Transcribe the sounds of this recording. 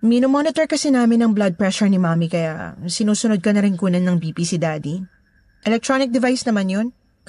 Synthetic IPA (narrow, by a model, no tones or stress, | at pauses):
minomonɪt̪ɛɹkɐsɛnaːmɪnɐŋblɐd̪̚pɹɛʃɛɹnɪmaːmikɐja̰ʔsɪnuːsʊnod̪̚kɐnɐɾɪnkuːnɐnːɐŋbiːpisid̪aːd̪i | ʔɛlɛk̚t̪ɹonɪk̚d̪ɛvajsnɐmanjon